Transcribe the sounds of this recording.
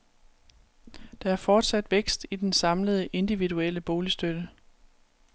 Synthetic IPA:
d̥ɑ̈æɐfɒːd̥sæd̥ʋeɡ̥sd̥id̥ensɑ̈mləð̞̩ˠəʔe̝nd̥iʋiduel̰əb̥o̝ːlisd̥ød̥ə

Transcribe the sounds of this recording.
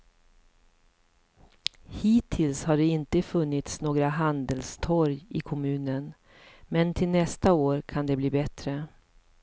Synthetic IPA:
hiːt̪ʰɪlshaɖɛɪnt̪əfɵnːɪt̪snoːɡɾaɦand̪əlst̪ʰɔɾjɪkʰɔmʉ̟ːnən | mɛnt̪ʰɪlnɛst̪aoːɾkʰand̪ɛbliːbɛt̪ɾə

